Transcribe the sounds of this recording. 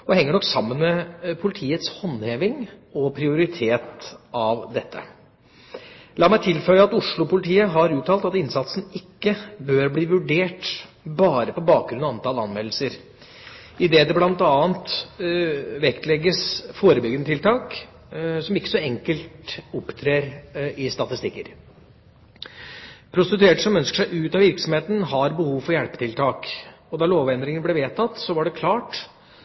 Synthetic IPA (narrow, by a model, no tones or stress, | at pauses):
ɔhɛŋːəɳɔkːsɑmːənmɛpʰʊlɪt̪ʰiːət̪shɔnːheːʋɪŋɔpʰɾɪʊɾɪt̪ʰeːt̪ɑʋd̪ɛt̪ːə̰ | lɑːmæɪt̪ʰɪlfœʏəɑt̪ʊʂɭʊpʊlɪt̪ʰiːəɦɑɾʉːʈ̪ʰɑlt̪ɑt̪ɪnsɑt̪sn̩ɪkːəbøːɾbliːʋʉɖeːʈ | bɑːɾəpɔbɑːk̚ɡɾʉnɑɑnt̪ɑːlɑnmɛll̩səɾ | ɪd̪eːd̪ɛblɑnt̪ɑːənt̪ | ʋɛkt̪lɛɡːəsfoːɾəbʏɡənət̪ʰɪlt̪ʰɑːk | sɔmɪkːə̥sɔɛŋkəlt̪ʊpːt̪ʰɾeːɾɪst̪ɑt̪ɪst̪ɪkːəɾ | pʰɾʊst̪ɪt̪ʉeːʈsɔmœnskə̥ʂæɪʔʉːt̪ɑʋɪɾksɔmheːt̪ən̩ɦɑɾbəhuːʋfɔɾjæɽpət̪ʰɪlt̪ʰɑːk | ɔd̪ɑɭoːʋɛnd̪ɾɪŋənblɛʋeːt̪ʰɑt̪ːsɔʋɑɖɛkʰlɑːʈ